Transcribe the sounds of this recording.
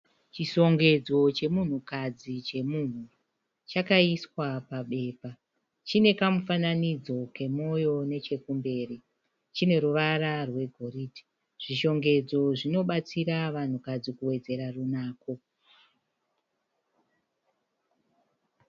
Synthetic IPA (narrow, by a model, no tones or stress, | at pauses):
t͡ʃiʃo̞ŋɡe̞d͡zo̞t͡ʃe̞mun̤ukad͡zit͡ʃe̞mun̤u | t͡ʃakaiswapaɓe̞ːpa | t͡ʃine̞kamufananid͡zo̞ke̞mo̞jo̞ne̞t͡ʃe̞kumbe̞ːri | t͡ʃine̞ɾuʋaɾarwe̞ɡʱo̞riːti̥ | ʐ̥iʃo̞ŋɡe̞d͡zo̞ʐino̞ɓat͡siɾaʋan̤ukad͡zikuwe̞d͡ze̞ɾarunaːko̞